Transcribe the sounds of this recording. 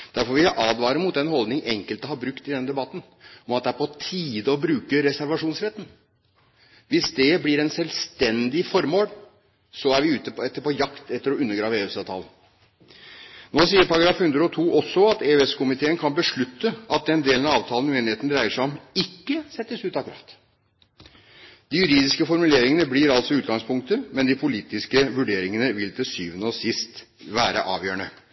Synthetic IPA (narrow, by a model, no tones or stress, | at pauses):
d̪̥æɾfɔɾʋɪɑʔɑːd̪ʋɑːɾəmʊt̪d̪ɛnhɔld̪nɪŋɛŋkəlt̪əhɑɾbɾʉkt̪ɪd̪ɛnəd̪ɛbɑt̪ːn̩ | ɔmɑt̪̚d̪ɛæːɾpʰɔt̪ʰiːd̪əɔbɾʉːkəɾɛsæɾʋɑʂuːnsɾɛt̪ːn̩ | ʋɪsd̪ɛblɪɾɛnsɛlst̪ɛnd̪ɪfɔɾmoːl | sɔæɾʋɪʉːt̪əɛt̪ːəɾpɔjɑkt̪ɛt̪ːəɾɔʉnːəɾɡɾɑːʋəeːʉsɑʋt̪ʰɑ̰ːln | noːsiːəɾpɑɾɑɡɾɑːfhʉnd̪ɾəɔt̪ʰuːʔɔsːɔɑt̪eøɛskʰʊmɪt̪ʰeːənkʰɑnbəʂɭʉt̪ːəɑt̪̚d̪ɛnd̪eːlnɑɑːʋt̪ʰɑːlənʉeːnɪheːt̪nɾæɪəʂæɔmɪkːəsɛt̪ːəsʉːt̪ɑkʉɾɑ̰ːt̪ | d̪̥ɪjʉɾiːd̪ɪskəfɔɾmʉleːɾɪŋənəbliɾɑlsɔʉːt̪ɡɑŋspʰʊŋk̚t̪əmɛnd̪ɪpʰʊliːt̪ɪskəʋʉɖeːɾɪŋənəʋɪlt̪ʰɪsyːʋənəɔsɪst̪ | ʋæːɾə̰ʔɑ̰ːʋjøːəɳə